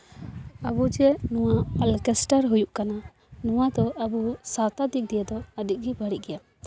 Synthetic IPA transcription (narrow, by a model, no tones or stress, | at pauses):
abud͡ʒɛnuwaalkɛsʈəɾɦujuʔkana | nuwad̪ɔʔabusat̪ad̪ik̚d̪ɛjɛd̪ɔəd̪iʔ̚ˀɡibaɽiʔɡɛja